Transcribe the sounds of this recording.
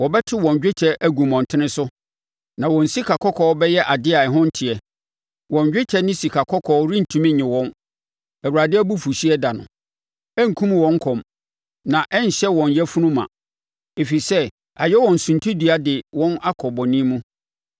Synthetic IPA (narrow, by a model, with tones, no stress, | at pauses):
wɔ˨bɛ˦tʰɪ˦wɔ̃˨ɲ˨d͡ʑᶣɪ˦t͡ɕʰɛ˦ʔæ˦ɡu˨mɔ̃˨n˨tʰɪ˦nɪ̃˦sʊ˦ | nã˨wɔ̃˨n̩˨si˦kʰa˨kʰɔ˦kʰɔː˦bɛ˦jɛ˦ʔa˨dɪ˦a˨ɛ˨ɦʊ̃˦n̩˦tʰi˨ɛ˨ | wɔ̃˨ɲd͡ʑᶣɪ˦t͡ɕʰɛ˦nɪ̃˦si˨kʰa˨kʰɔ˦kʰɔ˨˦ɾĩ˦n̩˨tʰũ˨mĩ˦ɲɪ̃˨wɔ̃˦n | æ˨wu˨ɾa˨dɪ˦æ˦bu˦fu˨ɕi˦ɛ˦da˨nʊ̰̃˨ | æ˦ŋ̩˨kʰũ˦m˨wɔ̃˨˦ŋ̩˦kʰɔ̃˨m | nã˨ʔɛ˦ɲ˨ɕɛ˦wɔ̃˨ɲjɛ˦fu˦nũ˦mã̰˨ | e˨fi˨sɛ˦ | a˨jɛ˦wɔ̃˨n̩˨sũ˨ntʰũ˦di˨a˦dɪ˨wɔ̃˦na˦kʰɔ˨bɔ˨nĩ˦mũ˦